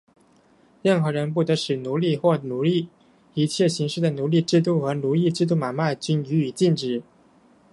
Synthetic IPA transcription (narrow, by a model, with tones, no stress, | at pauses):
ɻə˥˩nxɤ˧˥ɻə˧˥npu˥˩t̪ɤ˧˥ʂɻ̩˨˩nu˧˥li˥˧xwɔ˥˩nu˧˥li˥˩ | i˧˥t͡ɕʰjɛ˥˩ɕi˧˥ŋʂɻ̩˥˩d̪ə˩nu˧˥li˥˧ʈ͡ʂɻ̩˥˧t̪u˥˩xɤ˧˥nu˧˥i˥˧ʈ͡ʂɻ̩˥˧t̪̬u˥˩ma˨˩nma˥˩ɪt͡ɕy˧˥ny˧˥y˨˩t͡ɕi˥˩nʈ͡ʂɻ̩˨˩˦